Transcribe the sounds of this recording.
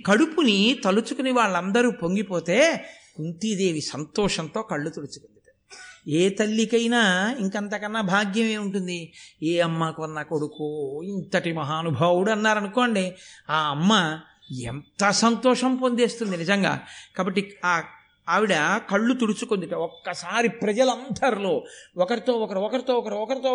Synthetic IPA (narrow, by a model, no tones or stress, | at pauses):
kɐɽupunit̪ɐlut͡ʃukuniʋaːɭːɐnd̪ɐɾuːpo̞ŋɡipo̞ːt̪eː | kunt̪id̪e̞ːʋisɐnt̪ɔːʂɐnt̪o̞ːkɐɭːut̪oɽut͡ʃu̥kond̪iʈɐ̥ | eːt̪ɐlːikɐjnaːiŋkɐnt̪akɐnːabʱaːɡjɐme̞ːuɳʈund̪ieːɐmːaːkuʋɐnːako̞ɽukuint̪ɐʈimɐɦaːnubʱaːwuɽuɐnːaːɾɐnukoːɳɖiaːɐmːɐ | ḛnt̪ɐsɐnt̪ɔːʂɐmpond̪eːst̪und̪inizɐŋɡa̰ːkaːbɐʈːiaː | ʋiɽɐkɐɭːut̪uɽut͡ʃukond̪iʈɐɔkːɐsaːɾipɾɐd͡ʒɐlɐnd̪ʱɐɾlo̞ːɔkɐɾit̪o̞ːɔkɐɾiɔkɐɾit̪oːɔkɐɾiɔkɐɾit̪oː